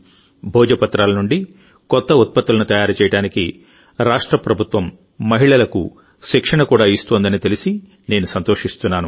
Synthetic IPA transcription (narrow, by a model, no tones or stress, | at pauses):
bʱɔːd͡ʒɐpɐt̪ːɾaːlɐnuɳɖi | kɔt̪ːɐut̪̚pɐt̪ːulɐnut̪ɐjaːɾut͡ʃɛːjɐɽaːniki | ɾaːʂʈɾɐpɾɐbʱut̪ʋɐmː | ɐɦiɭɐlɐkṵ | ʃikʂɐɳɐkuːɽaːist̪oːnd̪ɐnit̪elisi | ne̞ːnusɐnt̪oːʂist̪unːaːnu